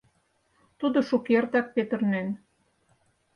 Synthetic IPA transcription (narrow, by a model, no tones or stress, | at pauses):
t̪ud̪oʃukert̪ɑk̚pet̪ə̆rnen